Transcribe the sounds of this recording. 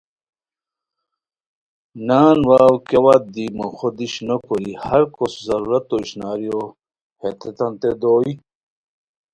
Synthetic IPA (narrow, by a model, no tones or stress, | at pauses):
naːnwaːwkewat̪̚d̪imoxod̪iɕnokoɾihɐɾkoszɐɾuːɾɐt̪ːoiɕnaːɾjo | het̪ʰet̪ɐnt̪ed̪oːi